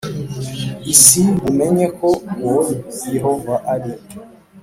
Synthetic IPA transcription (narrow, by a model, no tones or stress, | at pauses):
isibumɛɲɛkʰɔwɔliiɦɔɱvaʔali